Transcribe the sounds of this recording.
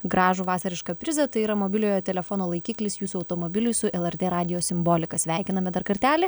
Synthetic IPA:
ɡɾɑːʒuʋɑːsɐɾʲɪʃkɐpʲɾʲɪzɐt̪ɐɪiːɾɐmoːbʲɪlʲoːjoːt̪ʲɛlʲɛfoːnoːlˠɐɪkʲiːklʲɪsjuːsʊɐʊt̪oːmoːbʲɪlʲʊjsʊʔɛlˠɛrʲt̪ʲeːɾɑːd̪ʲɪjoːsʲɪmboːlʲɪkɐsʲʋʲæˑɪkʲɪnɐmʲɛd̪ɐɾkɐɾʲt̪ʲæːlʲɪ

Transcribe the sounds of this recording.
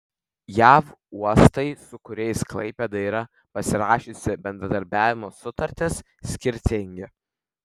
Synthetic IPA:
jæːfuɔst̪ɐɪsʊkʊɾʲɛɪsklˠɐ̰ɪpʲed̪ɐiɾɐ | pɐsʲɪɾɑːʃʲeːsʲɪbʲɛnd̪ɾɐd̪ɐɾʲbʲæːʋʲɪmoːsʊt̪ɐɾʲt̪ʲɪs | sʲkʲɪɾʲt̪ʲɪŋʲɡʲɪ

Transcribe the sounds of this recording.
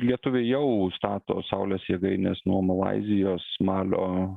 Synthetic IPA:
lʲiɛt̪ʊʋʲejɛʊst̪ɑːt̪o̰ːsɐʊlʲɛːsjiɛɡɐɪnʲesnuɔmɐlˠɑ̰ɪzʲɪjoːsmɑːlʲo̰ː

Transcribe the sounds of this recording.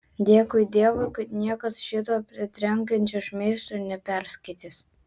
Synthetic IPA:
d̪ʲeːkʊjd̪ʲeɛʋoɪkɐt̪nʲiɛkɐsʃʲɪt̪oːpʲɾʲɪt̪ʲɾʲɛŋʲkʲɛnʲt͡ʃʲoʃmʲeɪst̪onʲɛpʲɛɾʲsʲkɐɪt̪ʲɪs

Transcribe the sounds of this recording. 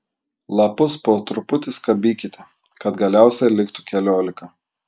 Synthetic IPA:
lˠɐpʊspoːt̪ɾʊpʊt̪ʲɪskɐbʲiːkʲɪt̪ʲɛ | kɐt̪ɡɐlʲæˑʊsʲɛɪlʲɪkt̪ʊkʲɛlʲoːlʲɪkɐ

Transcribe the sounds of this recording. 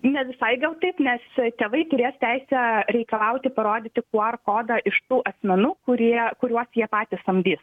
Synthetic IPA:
nʲɛʋʲɪsɐɪɡɐlˠt̪ɐɪpnʲɛst̪ʲeːʋɐɪt̪ʊɾʲeːst̪ʲæɪsʲɛɾʲɛɪkɐlˠɐʊt̪ʲɪpɐɾoːd̪ʲɪːt̪ʲɪkuɔɐrkoːd̪ɐʔɪʃt̪uːʔɐsʲmʲɛnuːkʊɾʲiɛkʊɾʲuɔsjiɛpɑːt̪ʲɪsɐmʲd̪ʲiːs

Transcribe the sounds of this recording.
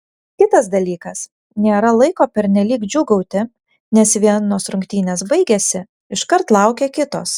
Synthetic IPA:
kʲɪt̪ɐsd̪ɐlʲiːkɐs | nʲeːɾɐlˠɐɪkoːpʲɛɾʲnʲɛlʲiːkd͡ʒʲʊɡɐʊt̪ʲɪ | nʲɛsʋʲiɛnoːsɾʊŋʲkt̪ʲiːnʲeːsbɐɪɡʲesʲɪ | ɪʃkɐɾt̪lˠɐˑʊkʲeːkʲɪt̪o̰ːs

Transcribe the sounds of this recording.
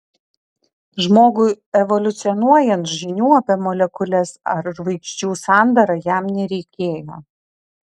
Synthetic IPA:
ʒmoːɡʊɪ | ɛʋɔlʲʊt̪sʲɪɔnuɔjɛnt̪ʒʲɪnʲuːɐpʲɛːmɔlʲɛkʊlʲɛsɐɾʒʋɐɪkʃʲt͡ʃʲuːsɑˑnd̪ɐɾɐjæˑmnʲɛɾʲɛɪkʲeːjoː

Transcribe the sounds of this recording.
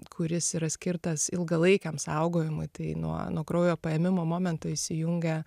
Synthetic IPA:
kʰʊɾʲɪsiːɾɐsʲkʲɪrt̪ɐsɪlˠɡɐlˠɐɪkʲɛmsɐʊɡoːjɪmʊɪt̪ɐɪnṵɔ̰nuɔɡɾɐʊjoːpɐjɛmʲɪmoːmoːmʲɛnt̪ʊɪʃʲsʲɪjuŋʲɡʲɛ

